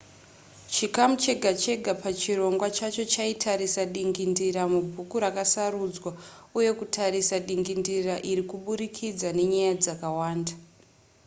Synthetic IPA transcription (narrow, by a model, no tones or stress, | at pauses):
t͡ʃikamut͡ʃe̞ɡʱat͡ʃe̞ɡʱapat͡ʃiro̞ŋɡwat͡ʃat͡ʃo̞t͡ʃaitʰaɾisaɗiŋɡindiɾamubʱukuɾakasaɾud͡zwa | uje̞kutʰaɾisaɗiŋɡindiraʔiɾikuɓuɾikʰid͡zane̞ɲajad͡zakawaːnda